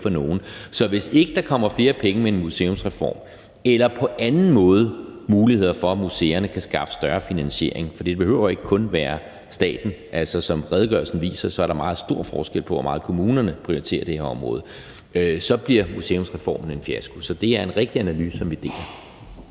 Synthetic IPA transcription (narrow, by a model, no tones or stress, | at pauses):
fɒ̽no̝ːn̩sɒ̽ʋe̝se̝ɡ̥əd̥ɑ̈kʰɒ̽m̰ɐfle̝ːɐpʰeŋəmeenmuse̝ːɔ̽msʁɛfɒ̰ːm | elɐpʰɒ̽ʔænn̩mɔ̽ːð̞ˠəmuːlihe̝ð̞̰ˠɐfɒ̽æmuseːɐnəkʰæsɡ̥ɑ̈fə̥sd̥ɶɐfinænɕe̝ɐe̝ŋfɒ̽d̥ḭd̥e̝be̝høʊ̰ɐe̝ɡ̥əkʰɔ̽nʋæːɐ | sd̥ɛ̰ːd̥n̩ʔæl̰sɒsɒ̽mʁɛð̞ˠɡ̥ɶ̰ɐlsn̩ʋḭːsɐsɒ̽æɐɾ̥ɑ̈mɑ̈ːð̩ˠsd̥o̝ɐ̰fɒ̰ːsɡ̥el̰pʰɒʋɒmɑ̈ːð̞̩ˠkʰo̝muːnɐnəpʰʁioit͡sʰe̝̰ːɐd̥e̝hæɒ̽mʁɔ̽ːð̞̩ˠ | sɒ̽b̥liɐ̰muse̝ːɔ̽msʁɛfɒ̰ːmn̩e̝nfiæsɡ̥usɒ̽d̥e̝æɐe̝nʁɛɡ̥̚d̥iænælyːsəsɒ̽mʋid̥e̝̰ːɐ